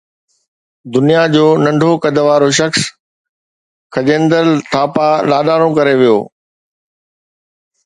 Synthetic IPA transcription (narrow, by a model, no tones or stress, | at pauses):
d̪ʊnijad͡ʑoːnɐ̃ɳɖʱokɐd̪ʱəʋaːɾoʃ̬ɐxs | kʰɐʄẽːnd̪əlt̪ʰaːpalaːɗaːɾõkɐɾeʋijo̰ː